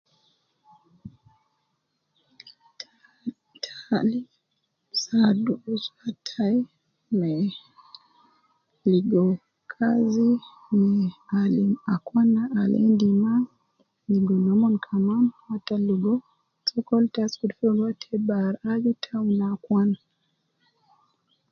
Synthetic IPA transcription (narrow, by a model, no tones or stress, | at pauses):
tʰali | saduzatʰai | mɛ | liɡɔ | kʰazi | mɛaliakwanaalɛ̰ndima | liɡɔnɔmɔnkʰamanhataluɡɔ | sʼɔkɔltaskudfɛɡwatʰɛbaɾad͡ʒutʰaunakwana